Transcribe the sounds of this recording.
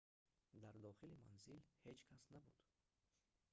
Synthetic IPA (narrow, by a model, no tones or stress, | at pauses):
d̪aɾd̪ɔχilima̰nzilhed͡ʒkʰasnabud̪̥